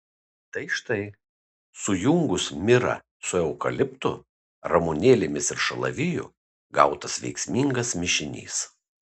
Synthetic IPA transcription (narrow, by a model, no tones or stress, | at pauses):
t̪ɐɪʃt̪ɐɪ | sʊjʊŋɡʊsmʲɪɾɐ̰ | sʊɛʊkɐlʲɪpt̪ʊ | ɾɐmʊnʲeːlʲɪmʲɪsɪɾʃɐlˠɐ̰ʋʲɪjʊ̰ | ɡɐʊt̪ɐsʋʲɛ̰ɪksʲmʲiːŋɡɐsmʲɪʃʲɪnʲḭːs